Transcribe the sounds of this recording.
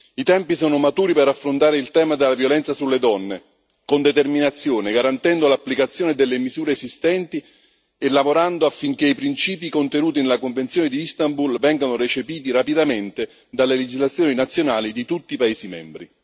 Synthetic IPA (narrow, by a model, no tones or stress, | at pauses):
it̪ɛmpisɔːnomat̪uːɾiperafːɾont̪aːɾeilt̪ɛːmad̪elːavjolɛnt̪sasulːed̪ɔnːe | kond̪et̪erminat̪sːjoːneɡaɾant̪ɛnd̪olapːlikat̪sːjoːned̪elːemizuːɾeːzist̪ɛnt̪i | elːavoɾand̪oafːiŋk̟eipɾint͡ʃiːp̬ikont̪enuːt̪̬inelːakoɱvent̪sjoːned̪iist̪ambulvɛŋɡanoret͡ʃepiːt̪̬iɾapid̪ament̪e | d̪alːeled͡ʒizlat̪sːjoːninat̪sːjonaːlid̪it̪ut̪ːiːpaeːsimɛ̰mbɾi